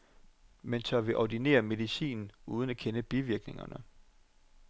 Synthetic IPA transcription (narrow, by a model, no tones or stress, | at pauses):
mensɒʋeʔɒd̥ine̝̰ːɐme̝ðˠisḭːnn̩uːð̞ˠən̩ækʰenəb̥iʋiɐɡ̥ne̝ŋɐ̰nə